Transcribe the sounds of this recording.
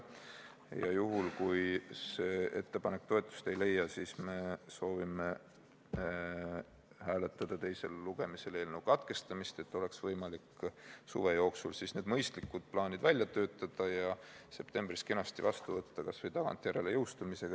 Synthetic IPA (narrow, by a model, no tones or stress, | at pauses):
jɑ̰juɦulkujse̞ːe̞t̪ːe̞pɑne̞k̚ːt̪o̞e̞t̪ːˑu̥st̪e̞jle̞jːɑsiːsme̞so̞ːvime | hæːle̞t̪ːˑɑd̪̥ɑt̪e̞jse̞lːuɡ̥e̞mise̞le̞ːlnewkɑt̪ke̞st̪ɑmist̪e̞t̪ːˑo̞le̞ksvɤjmɑliksṵve̞jo̞ːksulsisne̞d̪̥mɤjst̪likːˑud̪̥̚plɑːnid̪̥vælʲjɑt̪ø̞ːt̪ˑːɑd̪̥ɑjɑse̞pt̪e̞mbriske̞nɑst̪ivɑ̰st̪uvɤt̪ːɑkɑsvɤjt̪ɑɡ̥ɑ̰nt̪ːˑjæɾe̞lejɤwst̪umise̞ɡ̥ɑ